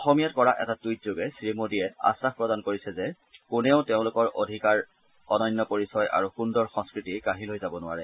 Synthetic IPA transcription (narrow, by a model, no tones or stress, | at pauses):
ɔxɔmijatkɔɹaʔɛ̰tatujtzoɡɛsɹimodiɛa̰saxpɹɔdankoɹisɛzɛ | kʊnɛʊteʊ̃lʊkɔɹʔo̰dʱikaɹ | ɔnɔjnːɔpoɹisɔjʔa̰ɹuxundɔɹxɔŋskɹitikaɦilojzabɔnʊwaɹɛ